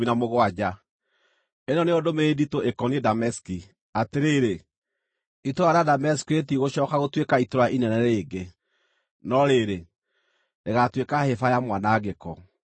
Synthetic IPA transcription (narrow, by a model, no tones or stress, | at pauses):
inamoɣoad͡ʑa | enɔneodomeditoʔekɔniedamɛski | ateɾeɾe | itoɾaɾeadamɛsi̥kiet̬iɣoɕɔːkaɣotwekaitoɾaʔinɛnɛɾeːɡe | nɔɾeɾe | ndeɣatwekahefajamwanaɣekɔ